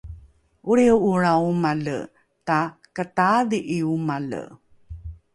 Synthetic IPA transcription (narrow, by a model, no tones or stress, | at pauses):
ʔuɾiwuɾawumalə̰ | takətadiʔiumalə̰